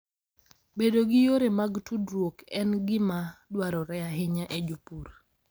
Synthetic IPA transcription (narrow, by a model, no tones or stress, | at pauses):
bedoɡɪjoɾemaɡtudɾwokɛnɡɪmadwaɾɔɾɛaɦɪɲaʔed͡ʒupuɾ